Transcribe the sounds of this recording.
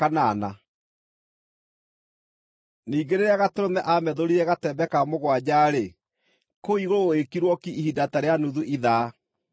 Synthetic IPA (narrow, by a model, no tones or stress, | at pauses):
kanana | niːɡeɾeɾeaɣateɾomɛʔamɛðoɾiɾɛɣatɛbɛkamoɣwad͡ʑaɾe | koiɣoɾoekiɾwɔkiihidataɾeanuðuʔiða